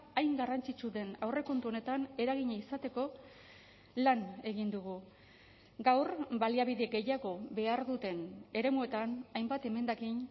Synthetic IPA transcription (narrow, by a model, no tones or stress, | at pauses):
ajŋɡarant͡sit͡ʃuðe̞nawre̞ko̞nt̪uo̞ne̞t̪ane̞ɾaɣiɲaisat̪e̞ko̞ | lane̞ɣind̪uɣ̞u | ɡawrbaliaβ̞iðe̞ɡe̞jaɣo̞be̞aɾðut̪e̞ne̞ɾe̞mue̞t̪anajmbat̪e̞me̞nd̪akin